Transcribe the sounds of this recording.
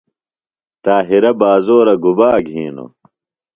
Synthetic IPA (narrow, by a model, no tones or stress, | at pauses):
t̪aːɦiɾɐbaːzoːɾɐɡubaːɡʱɦiːno̰